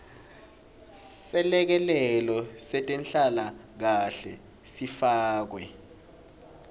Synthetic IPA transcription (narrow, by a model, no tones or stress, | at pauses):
sɛlɛk̬ɛlɛlɔsɛtʼɛnɬalak̬aɬɛ | sifaːk̬wɛ